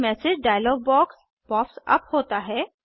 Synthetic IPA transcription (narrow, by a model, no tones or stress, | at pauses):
mɛːsɪd͡ʒɖaːjəlɔːɡ̚bɔːks | b̥ɔːfsɐ̰phoːt̪aɦɛː